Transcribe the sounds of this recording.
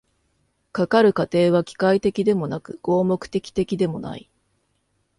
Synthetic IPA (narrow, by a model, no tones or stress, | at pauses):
kakaɾɯ̟kat̪e̞ːβ̞akʲi̥kait̪e̞kʲid̪e̞mo̞nakɯ̟̰ɡ̥o̞ːmo̞kɯ̟̥t̪e̞kʲi̥t̪e̞kʲid̪e̞mo̞na̰i